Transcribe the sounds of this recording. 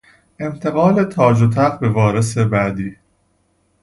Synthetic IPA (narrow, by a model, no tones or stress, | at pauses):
ʔe̞mt̪ʰe̞ɣɒːlet̪ʰɒːd͡ʒot̪ʰæʁbe̞vɒːɾe̞se̞bæd̪iː